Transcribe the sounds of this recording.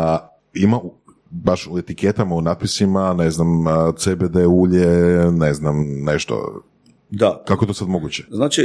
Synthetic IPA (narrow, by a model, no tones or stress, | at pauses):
imau | baʃuet̪iket̪amaunaːt̪̚pisimaneznamt̪sebed̪euʎeneznamneʃt̪o̰ | d̪akakoet̪osad̪mo̞ɡut͡ɕeznaːt͡ʃi